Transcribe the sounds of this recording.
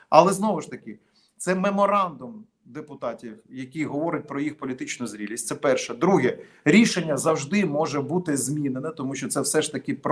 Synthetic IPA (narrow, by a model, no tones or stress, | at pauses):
ɐlˠɛznɔʋʊʃt̪ɐkɪ | t̪sɛmemɔɾɑnd̪ʊm | d̪epʊt̪ɑtʲiwjɐkʲijɦɔʋɔɾɪt̚ʲpɾɔjixpɔlʲit̪ɪt͡ʃnʊzɾʲilʲisʲtʲtsɛpɛrʃɛd̪ɾuɦɛ | ɾʲiʃenʲːɐzɐwʒd̪ɪmɔʒɛbut̪ɪzʲmʲinenɛt̪ɔmuʃʲt͡ʃɔt̪sɛwsɛʃt̪ɐkʲɪp